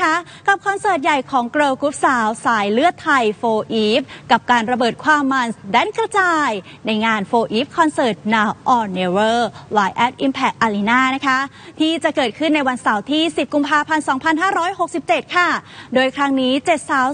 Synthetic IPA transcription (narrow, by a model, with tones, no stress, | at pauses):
a˦˥ | ka˨˩p̚kʰɔ˧nsɤː˨˩t̪̚ja˨˩jkʰɔː˩˦ŋkɾɤː˧wku˦˥p̚saː˩˦wsaː˨˩˦jlɯ˥˩ət̪ʰːa˧jfoː˧ʔiː˦˥p̚ka˨˩p̚kaː˧nɾa˧bɤː˨˩t̪̚kʰwaː˧mːa˧nsdɛ˧˥˩nkɾa˧t͡ɕaː˧j | na˧jŋaː˧nfoː˧ʔiː˦˥p̚kʰɔ˧nsɤː˨˩t̪̚naː˧wʔɔː˧ne˧wɤː˥˩waː˧jʔɛ˦˥p̚ʔi˧mpʰɛ˨˩k̚ʔaː˧liː˧naː˥˩na˦˥kʰa˦˥ | t̪ʰiː˥˩t͡ɕa˨˩kɤː˨˩t̪̚kʰɯ˥˩nːa˧jwa˧nsa˩˦wt̪ʰiː˥˩si˨˩p̚ku˧mpʰaː˧pʰa˧nsɔː˩˦ŋpʰa˧nɦaː˥˩ɾɔː˦˥jho˨˩k̚si˨˩p̚t͡ɕe˨˩t̪̚kʰa˥˩doː˧jkʰɾa˦˥ŋniː˦˥t͡ɕe˨˩t̪̚saː˨˦w